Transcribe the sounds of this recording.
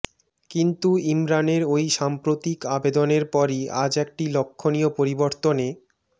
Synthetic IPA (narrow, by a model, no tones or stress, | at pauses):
kint̪uimɾaneɾojʃampɾot̪ikabed̪oneɾpɔɾiʔa̰d͡ʑɛk̚ʈilokʰːonijopoɾiboɾt̪one